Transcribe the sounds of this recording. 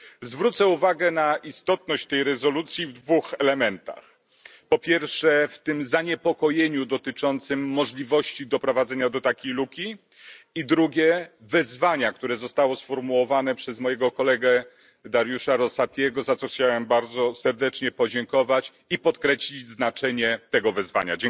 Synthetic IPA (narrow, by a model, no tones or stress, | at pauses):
zvɾut̪sɛuvaɡɛnaʔist̪ɔt̪nɔɕt͡ɕt̪ɛjɾɛzɔlut̪sʲjivd̪vuxɛlɛmɛnt̪a̰x | pɔpʲjɛɾfʂɛft̪ɘmzaɲɛpɔkɔjeɲud̪ɔt̪ɘt͡ʂɔnt̪sɘmːɔʐlʲivɔɕt͡ɕid̪ɔpɾɔvad̪zɛɲad̪ɔt̪akʲejlukʲi | id̪ɾuɡʲɛvɛzvaɲak̚t̪uɾɛzɔst̪awɔsfɔɾmuwɔvanɛpʂɛzmɔjɛɡɔkɔlɛɡɛ | d̪aɾjuʂaɾɔsat̪ʲjɛɡɔzat̪sɔxt͡ɕawɛmbaɾd̪zɔsɛɾd̪ɛt͡ʂɲɛpɔd͡ʑɛŋkɔvat͡ɕ | ipɔt̪kɾɛɕlʲid͡ʑznat͡ʂɛɲɛt̪ɛɡɔvɛzva̰ɲa̰d͡ʑɛ